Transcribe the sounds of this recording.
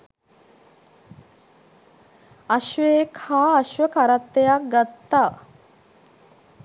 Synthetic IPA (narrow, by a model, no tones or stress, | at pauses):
aʃʋeːkʰaːɐʃʋəkaɾat̪ːejak̚ɡat̪ːaː